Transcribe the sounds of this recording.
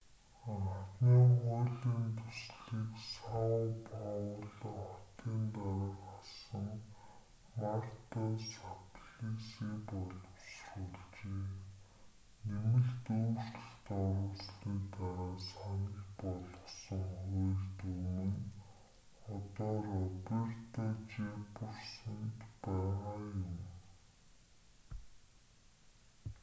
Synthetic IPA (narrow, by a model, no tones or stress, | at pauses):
at̪niːχʊːɮiːnt̪ʰʊsɮiːksawpɔwɮχɔt̪iːnt̪aɾaːrχɔsə̆ŋ | mar̥t̪asapɮisiːpɔɮɞ̆wsruɮt͡ɕeː | nemɘ̆ɮt̪uːr̥tə̆xt̪ɔɾʊːsɮiːt̪aʁaːsanə̆kpɔɮɞ̆wsə̆ŋχʊjɮt̪umɘ̆n | ɔt̪ɔːrɔper̥t̪ʰɔt͡ɕepʊ̆rsə̆nt̪pæːʁaːjʊm